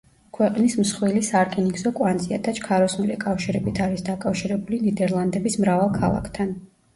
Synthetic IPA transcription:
kʰwɛqʼnismsχwilisaɾkʰʼɛniɡzɔkʼwand̪zʼiad̪ʰat͡ʃʰʼkʰaɾɔsnulikʼafʃiɾɛbit̪ʰaɾisd̪akʼafʃiɾɛbulinid̪ɛɾlˠand̪ɛbismɾavalˠkʰalˠa̰kʰt̪ʰan

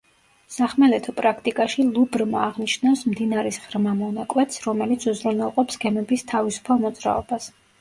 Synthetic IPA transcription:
saχmɛlɛt̪ʰɔpʼɾakʰt̪ʼikʼaʃilˠubɾmaːʁnit͡ʃnafsmd̪inaɾisʁɾmamɔnakʼwɛt̪ʰsɾɔmɛlit̪sʰuzɾunɛlˠqʼɔpsɡ̥ɛmɛbist̪ʰavisu̥pʰalˠmɔd̪z̥ɾa̰ɔb̥as

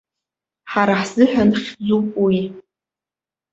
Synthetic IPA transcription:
ħaɾaħz̥ɨħanχʲd͡zupʼwi

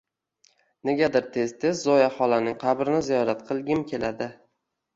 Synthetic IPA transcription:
ne̞ɡʲad̪ɪɾt̪ʰe̞zt̪ʰe̞zːɒjaχɒlˠanɪŋqʰɑbɾɪnɪzijɒɾat̪̚qʰɨlˠɡʲɪmkʲʰe̞lad̪ɪ

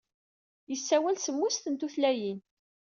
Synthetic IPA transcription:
jəsːæwælsəmːust̪ənt̪uθlæjin

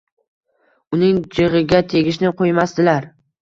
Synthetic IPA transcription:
ʊnɪŋd͡ʒɪʁɨɡʲat̪ʰe̞ɡʲɪʃnɪqʰojmast̪ɪlaɾ

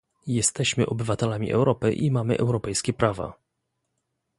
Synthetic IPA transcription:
jɛst̪ɛɕmɘʔɔbɘvat̪ɛlamʲḭʔɛ̰wɾɔpɘʔimamɘʔɛwɾɔpɛjskʲɛpɾava̰

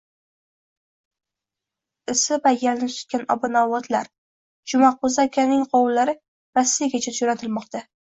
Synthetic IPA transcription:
ɪsɪvajalnɪsʰʊ̥t̪̚kʲanɒ̰bʊnawɒt̪ʰlaɾ | d͡ʒʊmaqʰozakʲʰanɪŋqʰɒwlːaɾɪ | ɾasːijaɡʲat͡ʃʰad͡ʒonat̪ʰɪlmɒqt̪ʰa

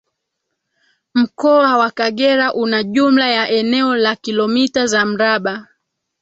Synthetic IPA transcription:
m̩kɔawakaɠɛɾaʔunaʄum̩lajaʔɛnɛɔlakilɔmitazam̩ɾaɓa

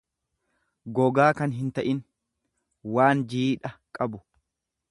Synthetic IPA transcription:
ɡɔɡaːkɐnɦɪnt̪ɐʔɪn | waːnd͡ʒiːᶑɐkʼɐbʊ

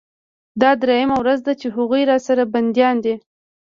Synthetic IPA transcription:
d̪ɑd̪ɾejamawɾazd̪at͡ʃeɦaɣujɾɑsaɾaband̪jɑnd̪i

